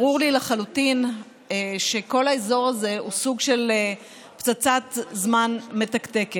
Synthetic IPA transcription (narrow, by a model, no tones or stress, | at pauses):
ʁuʁlilaχalutin | eʃe̞ko̞laezo̞ʁaze̞ʔusuɡʃe̞l | pt͡sat͡satzmanme̞takte̞ke